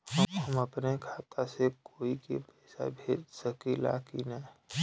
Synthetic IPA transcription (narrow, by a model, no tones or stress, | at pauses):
hɐɦəməpnekʰaːt̪ʰasekoːikḛpɛːsa̰bʱeːd͡ʒsəkila̰ːkinɐ